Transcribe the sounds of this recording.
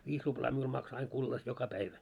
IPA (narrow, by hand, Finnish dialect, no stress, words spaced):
ʋiːs ruplɑː miul mɑkso ɑiŋ kulːɑs jokɑ pæiʋæ